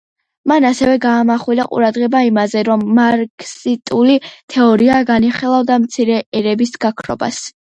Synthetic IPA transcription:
manasɛvɛɡaːmaχwilaqʼṵɾad̪ʁɛbaimazɛɾɔmːaɾkʰʼsit̪ʼulit̪ʰɛɔɾiaɡaniχilˠavd̪amt̪sʰiɾɛɛɾɛbisɡakʰɾɔ̰ba̰s

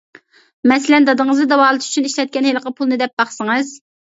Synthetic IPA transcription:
mɛsɪlɛnd̪ɑd̪əŋəzd̪ɨd̪ɛwɑːlˠɨt̪y̥t͡ʃʰyniʃlɛt̪̚kʲɛnhelˠəqʰəpʰulˠnɨd̪ɛp̚bɑχsɨŋɨz̥

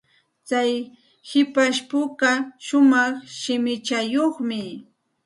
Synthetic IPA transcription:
t͡saj | hɪpaʃpʊkaʃʊmɑχʃɪmɪt͡ʃajoχmɪ

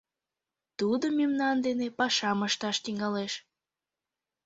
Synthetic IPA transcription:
t̪ud̪omimnɑnd̪enepɑʃɑməʃt̪ɑʃt̪iŋɑleʃ

